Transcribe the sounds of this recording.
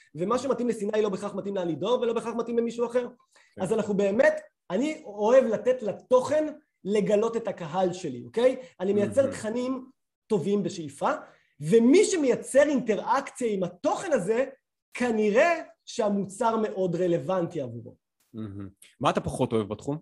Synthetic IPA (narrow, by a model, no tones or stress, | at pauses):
ve̞maʃematimlesinajlo̞beχaχmatimlealido̞velo̞beχaχmatimlemiʃuaχe̞ʁ | azanaχube̞ːme̞t | anioe̞vlatetlato̞χe̞n | le̞ɡalo̞tetakaɦalʃelio̞ke̞janimejat͡se̞ʁt̪χanim | to̞vimbe̞ʃeifa | ve̞miʃemejat͡se̞ʁinte̞ʁakt͡sijaimato̞χe̞naze̞ | kʰaniʁe̞ʃeamut͡saʁme̞ʔo̞dʁe̞le̞vantiavuʁo̰ | maat̪apaχo̞to̞evbatχum